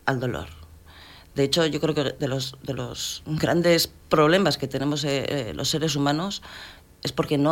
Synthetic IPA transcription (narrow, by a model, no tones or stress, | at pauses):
ald̪olo̞̰ɾ | d̪e̞et͡ʃo̞ʝo̞kɾe̞okeðelozðe̞lo̰zɡɾand̪e̞s | pɾo̞βle̞maske̞t̪e̞ne̞mo̞selʔo̞̰sːe̞ɾe̞s̬umãno̞s | e̞spo̞ɾke̞no